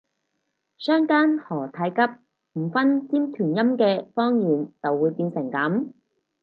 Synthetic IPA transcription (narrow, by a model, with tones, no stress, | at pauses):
sœː˥ŋkaː˥nhɔː˨˩t̪ʰa˨˥jkɐ˥p̚ | m̩˨˩fɐ˥nt͡siː˥mt̪ʰyː˨˩njɐ˥mkɛː˧fɔː˥ŋjiː˨nt͡sɐ˨wːuː˨˧jpiː˧nsɪ˨˩ŋkɐ˨˥m